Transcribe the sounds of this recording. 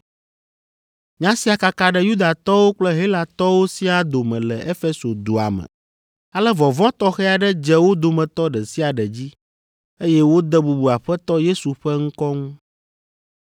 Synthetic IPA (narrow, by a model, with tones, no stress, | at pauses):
ɲã˦si˦a˨ka˨ka˨ɖɛ˦ju˦d̪a˨t̪ɔ˦wo˦k͡plɛ˦ɦe˦la˨t̪ɔ˦wo˦si˦a˨d̪o˨mɛ̃˨lɛ˨ʔe˦fe˦so˨d̪o˨a̰˨mɛ̰˨ | a˨lɛ˦vɔ˨vɔ̃˦t̪ɔ˦xɛ˦a˨ɖɛ˦d͡ʒɛ˦wo˦d̪o˨mɛ̃˨t̪ɔ˦ɖɛ˨si˦a˨ɖɛ˨d͡ʑi˦ | e˦jɛ˦wo˦d̪ɛ˦bu˨bu˨a˨ɸɛ˦t̪ɔ˦je˦su˨ɸɛ˦ŋ̩˦kɔ˦ŋũ˦